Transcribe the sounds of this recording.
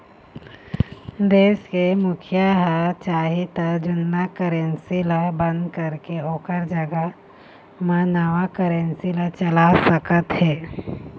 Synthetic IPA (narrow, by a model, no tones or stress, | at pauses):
d̪eːʃkemʊkʰjaɦət͡ʃaːɦit̪əd͡ʒʊnːakəɾẽnsilabə̃nd̪kəɾkeoːkəɾd͡ʒəɡə | manaːʋakəɾensilat͡ʃəlasəkət̪ɦɛː